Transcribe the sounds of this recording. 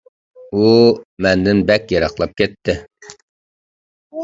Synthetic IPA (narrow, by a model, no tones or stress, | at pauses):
umɛnd̪ɪnbɛkʲjɑɾɑχlˠɑp̚kʲɛt̪ʰːɪ